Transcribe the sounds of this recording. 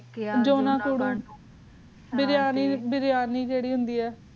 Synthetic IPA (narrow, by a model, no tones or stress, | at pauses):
d͡ʒoːnãːkuɽuː | bɪɾjaːniːbɪɾɪjaːniːd͡ʒeːɽiːɦʊnd̪iːɛː